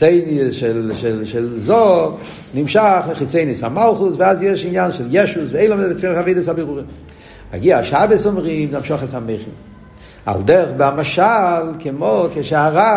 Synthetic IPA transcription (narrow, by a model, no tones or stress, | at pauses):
t͡seɪniʃɛlʃɛlʃɛlzo | nimʃaχləχit͡seɪnishamalˠχusvɪazjɛʃinjanʃɛljɛʃusveeɪlɔmdt͡seχaveɪdəshabiʁuʁim | a̰ɡiaaʃabəsɔmʁimzamʃɔχashameɪχim | a̰lˠdɛʁχbɪamaʃalˠkɪmokeʃeaʁa